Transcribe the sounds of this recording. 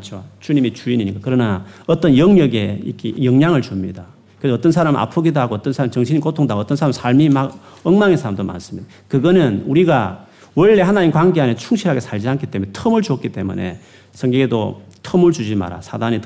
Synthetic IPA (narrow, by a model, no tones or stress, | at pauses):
t͡ɕʰot͡ɕuɲimit͡ɕuiɲiɲik͈akɯɾʌnaʌt͈ʌnjʌŋɲʌɡe̞ḭkʰejʌŋɲaŋɯɭt͡ɕumɲḭda | kɯɾesʌt͈ʌnsʰaɾamɯʔa̰pʰɯɡidoɦaɡoːt͈ʌnsʰaɾamt͡ɕʌŋɕʰiɲikotʰoŋdaɡoʌt͈ʌnsʰaɾamsʰaɭmimaʌŋmaŋesʰaɾamdoma̰ns͈ɯmɲid̥̪a | kɯɡʌnɯnuɾiɡa̰ | wʌɭːe̞hanaɲimkwanɡeanet͡ɕʰuŋɕʰiɾɦaɡe̞sʰaɭd͡ʑiankʰi̥t͈e̞munetʰʌmɯɭt͡ɕuk͈it͈e̞mṵne̞̰ | sʰʌŋɡeŋedo̰tʰʌmɯɭt͡ɕud͡ʑima̰ɾa̰sʰadanit